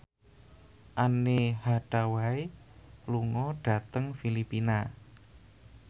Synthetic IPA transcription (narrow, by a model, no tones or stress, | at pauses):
ʔanehaɖ̥awaj | luŋɔɖ̥a̤t̪əŋfilipina